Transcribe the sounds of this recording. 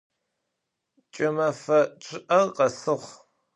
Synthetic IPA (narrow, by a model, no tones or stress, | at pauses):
t͡ʃʼɪmɐfɐt͡ʃʰʼɪʔɐqɐsɨʁʷ